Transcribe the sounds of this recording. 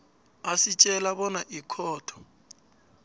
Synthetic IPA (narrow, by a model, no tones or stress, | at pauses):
asit͡ʃʼɛlaβɔnaʔikʰɔːtʰɔ̥